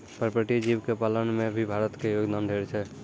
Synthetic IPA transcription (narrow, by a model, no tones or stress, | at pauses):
pəɾpəɾʈid͡ʒibkepalənmebʱibʱaɾət̪kejoɡd̪ʱanɖʱeɾt͡ʃʰɛ